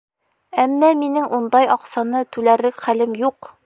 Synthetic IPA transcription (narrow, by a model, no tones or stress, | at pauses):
æmːæminɘŋʔund̪ɑjɒqsɑnɤt̪ʉlæɾɘkχælɘmjuq